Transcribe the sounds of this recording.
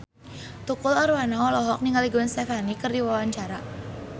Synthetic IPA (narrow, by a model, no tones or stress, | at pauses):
t̪ukʊlɔɾwanaɔlɔɦɔk̚niŋaliɡunst̪ɛfanikərdiwawaɲt͡ʃaɾa